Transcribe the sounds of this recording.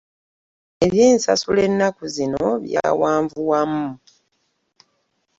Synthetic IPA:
e̞βjiːnsasule̞nːakuzinoβja̰waːɱvuwamu

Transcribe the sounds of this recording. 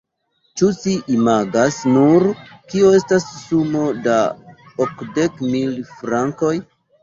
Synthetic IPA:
t͡ʃut͡ʃiʔimaɡasnuɾkio̞e̞stasːumo̞da | okde̞kmilfɾaŋko̞j

